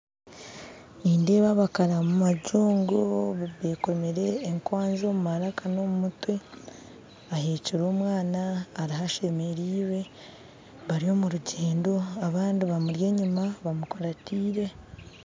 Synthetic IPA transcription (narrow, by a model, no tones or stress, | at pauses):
iːnde̞ːβaβakaɾamumaɟuːŋɡoββeko̞meɾe̞ːŋkwaːnzo̞ːmumaɾakano̞mumutwe | aheciɾoːmwaːnaːɾihaʃe̞me̞ɾiːwe̞ | βaɾio̞ːmuɾuɟeːndo̞aβaːndiβamuɾje̞ːɲumaβamukoɾatiːɾe̞